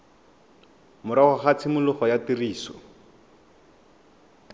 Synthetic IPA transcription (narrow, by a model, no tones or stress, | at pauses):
mʊɾaχʊχat͡sʰɪmʊlʊχɔjatiriːsɔ